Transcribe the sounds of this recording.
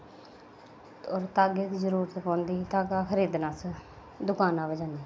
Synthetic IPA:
ɔːɾt̪aːɡet̪zəɾuːɾət̪pãːnd̪iːt̪aːɡaːkʰəɾiːd̪naːs | d̪ʊkaːnãːbəd͡ʒãːnd̪iː

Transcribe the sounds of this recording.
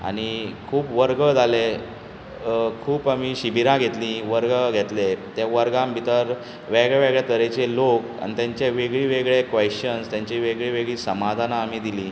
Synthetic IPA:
a̰ɽ̃ikʰuːpʋəɾɡəd͡zʱale | kʰuːpamiɕibʱiɾãɡʱet̪lĩʋəɾɡəɡʱet̪let̪jaʋəɾɡãmbʱit̪əɾ | ʋeɡɭeʋeɡɭjat̪əɾet͡ɕeloka̰ñit̪jãɲt͡ɕaʋeɡɭiːʋeɡɭekʋeɕənst̪jãɲt͡ɕiʋeɡɭiʋeɡɭiːsəmad̪ʱanaːmiːd̪ilĩː

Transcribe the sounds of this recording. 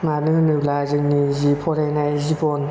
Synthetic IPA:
manɯnɯlazɯŋnizipʰɔɾajnajzibɔn

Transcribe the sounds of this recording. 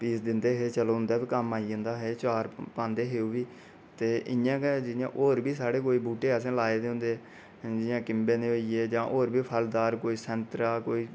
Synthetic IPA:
piːsd̪ɪnd̪eːɦeːt͡ʃəloːʊ̃nd̪aːpiːkəmaːiːə̃nd̪aːɦeːt͡ʃaːɾpãːnd̪eːɦeːuːʋiː | t̪eːʔɪ̰jãːked͡ʒɪjã̰ːʔoːɾbiːsaːɽeːkoːiːbuːʈeːəs̬ẽːlaːeːd̪eʊ̃nd̪eː | d͡ʒɪãːkɪmbeːneːoieːd͡ʒãːʔoːɾbʱiːpʰəld̪aːɾkoːiːsɛ̃nt̪ɾaːkoːiː

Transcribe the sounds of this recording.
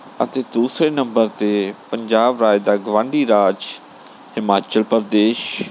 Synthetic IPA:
ə̰t̪eːd̪uːsɾeːnəmbəɾt̪eːpəɲd͡ʒaːbɾaːjd̪aːɡʋãːɳɖiːɾaːd͡ʒ | hɪmaːt͡ʃəlpəɾd̪eːʃ

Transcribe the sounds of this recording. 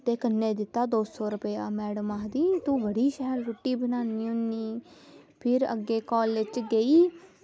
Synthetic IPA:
t̪eːkənːeːd̪ɪt̪ːaːd̪oːsɔːɾəpeːaːmɛːɽəmaːd̪iːt̪ũːbəɽiːʃɛɦəɾːoːʈːiːbənaːniːɦʊniː | pʰɪɾə̰ɡːeːkɔːlʋɪt͡ʃɡəiː

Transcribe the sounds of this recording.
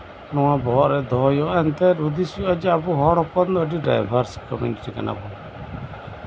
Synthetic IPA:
nɔwabɔɔʔɾɛd̪ɔjɔaɛnt̪ɛɾud̪isjad͡ʒɛabuɦɔɽɔpɔnd̪əɖiɖa̰jbʱaɾskɔmjṵniʈika̰na̰bɔ

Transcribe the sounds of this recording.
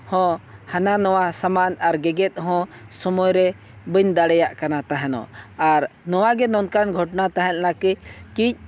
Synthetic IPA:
hɔ̃hananɔwasamanaɾɡɛɡɛt̪̚ˀɦɔ̃sɔmɔjɾɛ | bəɲd̪aɽɛjaʔkanat̪aɦɛnɔ̰aɾnɔwaɡɛnɔnkanɡʱɔʈnat̪aɦɛt̪̚nakic̚kic̚

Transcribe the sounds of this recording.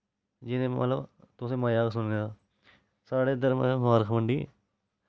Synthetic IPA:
d͡ʒɪnẽːmə̰t̪ləbt̪ʊsẽmaːjaːksʊnneaː | saːɽeːd̪əɾmə̰maːɾkʰməɳɖi

